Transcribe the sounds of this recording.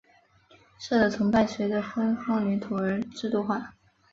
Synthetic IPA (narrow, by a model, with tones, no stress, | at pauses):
ʂɤ˥˩d̪ə˨˩t͡sʰɤ˧˥ŋpa˥˩ɪɕɥɛ˧˥d̪ə˧fə˥nxɑ˥ŋly˧˥nt̪ʰu˨˩ə˞˧˥ʈ͡ʂɻ̩˥˧t̪u˥˧xwa˥˩